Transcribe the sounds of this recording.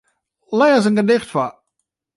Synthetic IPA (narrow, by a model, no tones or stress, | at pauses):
lɛːzənɡədɪxtfa